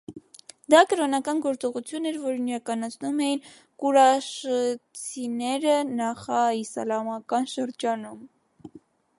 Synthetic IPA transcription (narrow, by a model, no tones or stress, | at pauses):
d̪ɑkəɾɔnɑkɑnɡɔɾt͡sɔʁut͡sʰjunːɛɾvɔɾiniɾɑkɑnɑt͡sʰnumɛjin | kuɾɑʃət͡sʰinɛɾənɑχɑisɑ̰lɑmɑkɑnʃəɾd͡ʒɑnum